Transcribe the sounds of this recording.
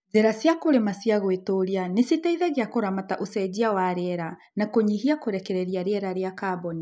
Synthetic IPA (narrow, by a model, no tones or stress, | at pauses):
zeɾasjakoɾemasiaɣoetoɾianesitaiðɛɣeakoɾamataʔosɛd͡ʑiawaɾeɛɾa | nakoɲiɦiakoɾɛkɛɾɛɾiaɾeɛɾaɾeakabɔni